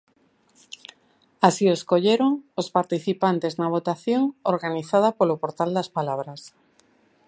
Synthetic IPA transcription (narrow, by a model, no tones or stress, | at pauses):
asieskoʎeɾoŋospaɾt̪iθipant̪eznaβ̞ot̪aθjoŋoɾɣaniθað̞apolopoɾt̪ald̪aspalaβ̞ɾas